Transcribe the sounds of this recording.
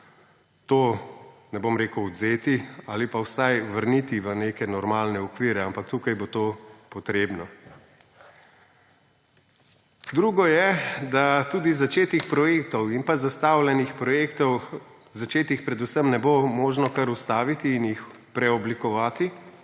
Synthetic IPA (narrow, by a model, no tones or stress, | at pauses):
t̪oːnɛbomɾeːkəwɔd̪zeːt̪iaːlipawsajʋəɾnit̪iʋəneːkɛnɔɾmaːlnɛɔkʋiːɾɛampakt̪uːkajbot̪opɔt̪ɾeːbnɔ | d̪ɾuːɡɔjɛd̪at̪uːd̪izat͡ʃeːt̪ixpɾɔjeːk̚t̪ɔwinpazast̪aːwlʲɛnixpɾɔjekt̪ɔw | zat͡ʃeːt̪ixpɾɛd̪usəmnɛbomoːʒnɔkaɾust̪aːʋit̪iːnjix | pɾɛɔblikɔʋaːt̪i